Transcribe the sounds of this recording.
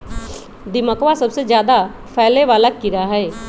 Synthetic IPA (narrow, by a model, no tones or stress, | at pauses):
d̪ɪməkʋasɐbsed͡ʒjaːd̪a | fʰɛːleʋaːlakːɪɾaɦɛː